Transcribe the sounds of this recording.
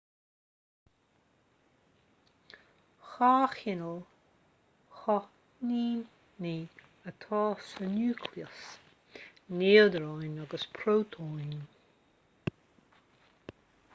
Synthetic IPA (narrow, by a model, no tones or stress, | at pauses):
xaːxɪnəl | xɔ | niːn | ni | ət̪ʰɑːsənuːkʰliəs | neːld̪əɾɑjnaɡəspʰɾoːt̪ʰojn